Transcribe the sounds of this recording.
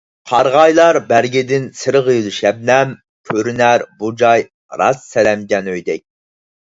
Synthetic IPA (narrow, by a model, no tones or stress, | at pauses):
qʰɑɾʁɑjlˠɑɾbæɾɡʲɪd̪ɪnsɪɾʁəjlˠuʃɛp̚nɛm | kʲʰøɾynæɾbud͡ʒɑj | ɾɑ̰sːɛlɛmɡʲɛnøjd̪ɛk̚ʲ